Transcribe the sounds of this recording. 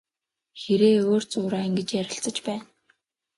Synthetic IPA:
xeɾeːoːr̥t͡sʊːɾaːŋɡĕt͡ɕjæɾʲɪ̆ɬt͡sə̆t͡ɕpæːn

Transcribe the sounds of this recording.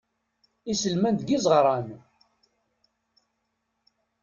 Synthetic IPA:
isəlmænd̪ɡizˤəʁɾˤɑn

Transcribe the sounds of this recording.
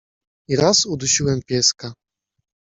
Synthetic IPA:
iɾasud̪uɕiwɛmpʲjɛska

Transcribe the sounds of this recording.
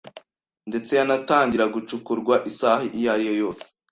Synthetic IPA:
nde̞t͡se̞janataːɲɟiɾaɡut͡ʃukuɾɡwaʔisahiʔijajo̞jo̞ːse̥

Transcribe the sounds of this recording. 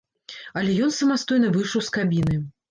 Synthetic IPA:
ɐlʲɛjɔnsɐmast̪ɔjnɐvɨjʂɐwskabʲinɨ

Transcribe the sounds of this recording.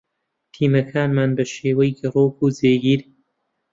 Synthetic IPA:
t̪ʰiːmɐkʰaːnmaːnbɐʃeːwɐjɡɨroːkʰuːzeːɡiːɾ

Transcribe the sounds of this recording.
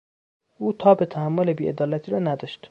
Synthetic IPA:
uːt̪ʰɒːbet̪ʰæhæmːolebiːʔed̪ɒːlæt̪ʰiːɾɒːnæd̪ɒʃt̪

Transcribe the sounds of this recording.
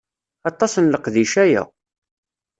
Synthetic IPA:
ɑt̪ˤːɑsənləqðiʃæjæ̰

